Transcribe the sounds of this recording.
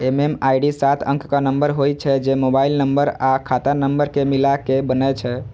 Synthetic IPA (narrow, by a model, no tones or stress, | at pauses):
ememajɖisat̪ʰə̰̃ŋkkənəmbəɾɦojt͡ʃʰɛd͡ʒemobailnəmbəɾakʰat̪anəmbəɾkemilakebənɛt͡ʃʰɛ